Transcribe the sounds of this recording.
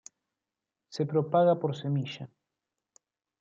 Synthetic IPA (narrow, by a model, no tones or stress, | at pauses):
sepɾopaɣapoɾsemiʃa